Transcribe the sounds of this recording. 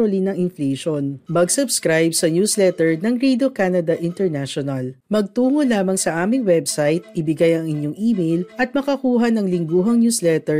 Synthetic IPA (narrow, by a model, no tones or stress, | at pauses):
olinɐŋɪnfleʃonmɐɡsʊbskɾajbsɐnjuːslɛt̪ɛɹnɐŋɾid̪okaːnɐd̪ɐʔɪnt̪ɛɹnaʃonɐlmɐɡ̚t̪uːŋolaːmɐŋsɐʔaːmɪŋwɛbsajt̪̚ʔɪbɪɡajɐŋɪɲjoŋʔiːmejlʔɐt̪̚mɐkɐkuːɦɐnɐŋlɪŋɡuːɦɐŋnuːslɛt̪ɛɹ